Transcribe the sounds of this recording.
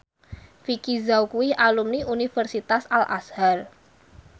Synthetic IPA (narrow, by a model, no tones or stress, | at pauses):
fikizawkuwɪhalumniʔunifərsit̪asalʔa̰shar